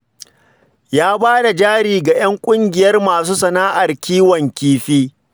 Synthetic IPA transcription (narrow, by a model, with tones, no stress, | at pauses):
jaː˦baː˦da˨d͡ʒaː˦ɽiː˨ɡa˨j̰ɐ˦ŋkʷʼʊ˦ŋɡʲɪ˨jɐ˦rmaː˨suː˦sɐ˨naː˦ʔa˨rkʲiː˦wɔ˨ŋkʲiː˦ɸiː˦